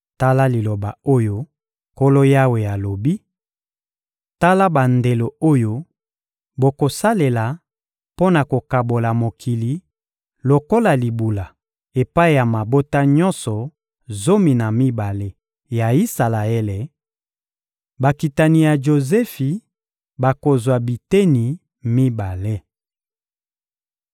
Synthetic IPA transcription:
ta˦la˦li˨lo˨ba˨o˦jo˦ | ko˦lo˦ja˦we˨ja˨lo˨bi˦ | ta˦la˦ba˨nde˨lo˨o˦jo˦ | bo˨ko˨sa˦le˨la˨ | po˦na˨ko˨ka˨bo˨la˨mo˨kʰi˨li˨ | lo˨ko˦la˨li˨bu˨la˨ | e˨pa˦i˦˨ja˨ma˨bo˦ta˦ɲɔ̃˦nsɔ˨ | zo˦mi˨na˨mi˦ba˨le˦ | ja˨i˦sa˨la˨e˦le˨ | ba˨ki˨ta˨ni˨ja˨ʒo˨zɛ˦fi˨ | ba˨ko˨zwa˨bi˨te˦ni˨ | mi˦ba˨le˦

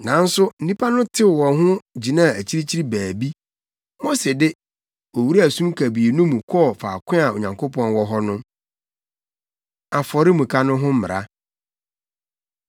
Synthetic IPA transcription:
nã˨˦n̩˦sʊ˦n̩˦nĩ˦pʰa˦nʊ̃˦tʰɪ˦˨wɔ̃˨nɦʊ̃˦d͡ʑi˨nã˦˨æ˨t͡ɕʰi˦ɾi˦t͡ɕʰi˦ɾi˦bæː˨bi˦ | mɔ̃˦sɪ˨dɪ˦ | o˨wu˦ɾæ˨sũ˦mkʰæ˨bi˨e˨nũ˦mũ˨kʰɔ˦˨faː˨kʰʷɪ̃˦a˨o̰˨ɲã˨ŋkʰo˦pʰɔ̃˦nwɔ˨ɦɔ˦nʊ̃˦ | a˨fɔ˨ɾɪ˦mũ˨kʰa˦nʊ̃˦ɦʊ̃˦m̩˦mɪ̰̃˨ɾa̰˦

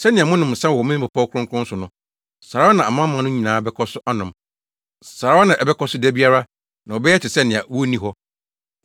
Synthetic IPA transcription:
sɛ˦nɪ̃˨a˨mʊ̃˦nʊ̃˨m̩˨sɛ̃˦wmɪ̃˦nĩ˦pʰʊ˨pʰɔ˦kʰʊ˦ɾʊ̃˦kʰʊ˦ʊ̃˦sʊ˨nʊ̃˨ | sa˨a˦a˦nã˨a˨mã˦mã˨˦nʊ̃˦ɲĩ˨nãː˨˦˨bɛ˦kʰɔ˦sʊ˦ʔa˦nʊ̃˨m | sa˨ɾa˦ɔ˦nã˨ʔɛ˨bɛ˦kʰɔ˦sʊ˦dæ˦bi˦a˦ɾa˦ | nã˨ɔ˨bɛ˦ɛ˦t͡ɕʰɪ˨sɛ˦nɪ̃˨a˨wɔ˦nĩ˦ɦɔ˦

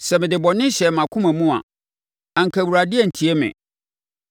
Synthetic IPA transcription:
sɛ˨mɪ̃˨dɪ˨bɔ˨nɪ̃˦ɕɛ˨mã˨kʰʊ̃˦mæ̃˨mũ˦a̰˨ | ã˨ŋ̩˨kʰæ˨wu˨ɾa˨dɪ˦ɛ˦˨n̩˨tʰi˨ɛ˦mɪ̰̃˨

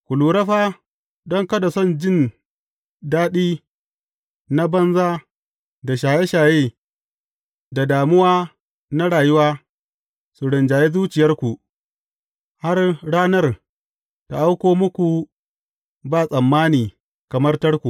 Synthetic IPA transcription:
kʷu˨luː˨ɾɐ˦ɸaː˦ | dɔ˦ŋkɐ˦da˨sɔ˦˨nd͡ʒɪ˦n | daː˦ɗiː˦ | na˦bɐ˦nzaː˦ | da˨ʃ̬aː˨je˦ʃaː˨jeː˦ | da˨daː˨mʊ˦waː˦ | na˦ɽaː˨jʊ˦waː˦ | su˨ɽɪ˨nd͡ʒaː˨je˦zuː˦t͡ʃɪ˨jɐ˦rkʷu˨ | ha˦rɽaː˦nɐ˦r | ta˨ʔa˦wkʷoː˦mʊ˦kʷu˨ | baː˦˨sʼɐ˨mːaː˦niː˨ | kɐ˨mɐ˦rtɐ˦rkʷu˨

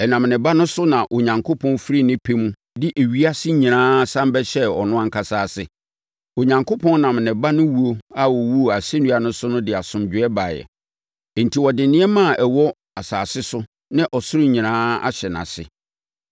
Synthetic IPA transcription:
ɛ˨nã˨m˨nɪ̃˨ba˦nʊ̃˦sʊ˦nã˨ʔo˨ɲã˨ŋkʰo˦pʰɔ̃˦n˦fɾi˦nɪ̃˦pʰe˦mũ˦ | dɪ˦ʔe˨ɥi˦a˦sɪ˦ɲĩ˨nãː˦sã˦m˦bɛ˦ɕɛ˦ɔ̰˨nʊ̃˦ã˦ŋkʰa˨saː˦sɪ˨ | o˨ɲã˨ŋkʰo˦pʰɔ̃˦n˦nã˨m˨nɪ̃˨ba˦nʊ̃˦wu˦o˦a˦wɔ˨wu˦˨a˨se˦nũ˦a˨nʊ̃˦sʊ˦nʊ̃˦dɪ˨a˨sʊ̃˨md͡ʑᶣɪ˨˦ɛ˦ba˨jɛ̰˨ | n̩˨tʰi˨wɔ˨dɪ˨nɪ̃˦ɛ˦mã˦˨ʔɛ˨wɔ˦ | a˨saː˨sɪ˦sʊ˦ | nɪ̃˦ʔɔ˨sʊ˦ɾɪ˦ɲĩ˨nãː˦a̰˦ɕɛ˨nã̰˨sɪ̰˨

